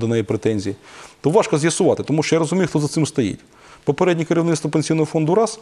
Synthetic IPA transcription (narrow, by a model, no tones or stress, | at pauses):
d̪ɔnɛjipɾet̪ɛnʲzʲijit̪ɔʋɑʃkɐzʲjɐsʊʋɑt̪ɪt̪ɔmuʃt͡ʃɔjaɾɔzʊmʲijʊxt̪ɔzɐt̪sɪmst̪ɐjḭtʲ | pɔpeɾɛdʲnʲikeɾʲiwnɪt̪t̪ʋɐpenʲsʲijnɔɦɔfɔnd̪ʊɾɑs